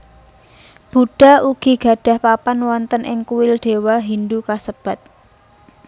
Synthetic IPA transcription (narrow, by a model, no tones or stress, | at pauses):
b̥uɖ̥a̤uɡ̥i̤ɡ̥ä̤ɖ̥a̤hpapanwɔnt̪ənʔɪ̰ŋkuwɪlɖ̥e̤waɦindukasəb̥a̤t̪̚